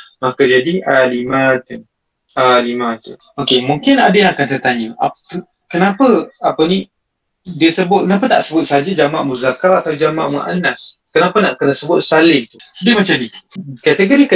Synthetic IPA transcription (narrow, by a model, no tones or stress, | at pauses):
makad͡ʒadialimãt̪u | alimãt̪u | okemuŋkɪnadəjaŋakant̪ərt̪aɲəa̰ | kənapəapəni | diəsəbʊt̪̚kənapəna̰ʔsəbʊt̪̚saɦad͡ʒad͡ʒamãʔmuzakaɾat̪awd͡ʒamã̰ʔmṵʔa̰naskənapanaʔkənəsəbʊt̪̚salɪht̪udiəmət͡ʃadikat̪əɡoɾikə